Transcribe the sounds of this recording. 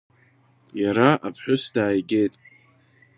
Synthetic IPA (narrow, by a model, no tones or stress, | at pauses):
jaɾaʔapʰħʷᶣʊsdaːjɡʲe̞jtʼ